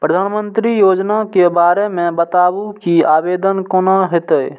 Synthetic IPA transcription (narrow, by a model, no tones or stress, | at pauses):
pɾəd̪ʱaːnmənt̪ɾijod͡ʒnakebaɾemẽbət̪abukiabed̪ənkoːnaɦet̪əj